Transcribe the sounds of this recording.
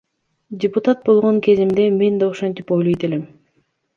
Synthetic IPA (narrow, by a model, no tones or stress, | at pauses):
dʲɪpʊt̪at̪̚bo̞lˠʁo̞ŋke̞zimd̪e̞me̞nd̪aoʃo̞nt̪ipo̞jlˠo̞jt̪e̞le̞m